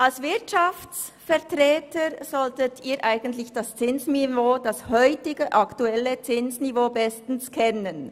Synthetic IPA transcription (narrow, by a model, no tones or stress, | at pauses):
ʔalsvɪɐtʃaft͡s | fɛʁtʁɛːtʰəɾz̥ɔltətʰiːɾʔaɪɡən̩tlɪçd̥ast͡sɪnsnivoːd̥ashœʏtɪɡəʔɑktuɛlːət͡sɪnsnivoːbɛstn̩skʰɛnən